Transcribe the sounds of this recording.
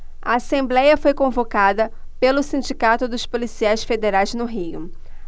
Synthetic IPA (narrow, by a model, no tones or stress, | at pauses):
ɐasẽmblɛjɐfojkõvokad̪ɐpelʊsĩd͡ʒikat̪ʊd̪ʊspolisiajsfed̪eɾajznʊɦijʊ̰